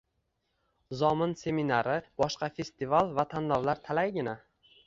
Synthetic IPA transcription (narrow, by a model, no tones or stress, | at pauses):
zɒmɪnse̞minaɾɪb̥ɒʃqɑfe̞st̪ivalˠvat̪ʰanlɒvlaɾt̪ʰalajɡʲɪna